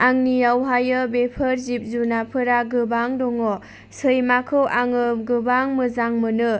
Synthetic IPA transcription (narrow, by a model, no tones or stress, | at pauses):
aŋnijawɦajɯbepʰɯɾzip̚zunapʰɯɾaɡɯbaŋdɔŋɔ | sɯjmakʰɯwʔaŋɯɡɯbaŋmɯzaŋmɯnɯ